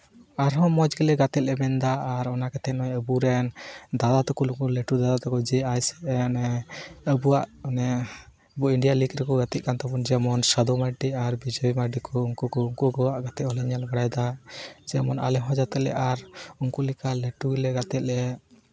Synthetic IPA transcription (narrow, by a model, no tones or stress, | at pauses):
aɾɦɔ̃mɔd͡ʒɡɛlɛɡat̪ɛt̪lɛmɛnd̪aːɾɔnakɛt̪ʰɛnɔjəbuɾɛnd̪ad̪at̪ɔkulukuleʈud̪ad̪at̪ɔkɔd͡ʒɛajsɛ̥nɛəbuwaʔnɛ | əbuiɳɖijaliɡɾɛkɔɡat̪ɛʔ̚kant̪ɔpɔnd͡ʒɛəmɔnsad̪ɔmaɖiaɾbid͡ʒɔimaɖikʰɔuŋkukɔuŋkuɡɔwaʔɡat̪ɛʔhɔlɛɲalbaɽajd̪ad͡ʒɛmɔna̰lɛɦɔ̃d͡ʒat̪ɛlɛ̰ʔaɾuŋkulikaleʈuɡɛlɛɡat̪ɛt̪̚lɛ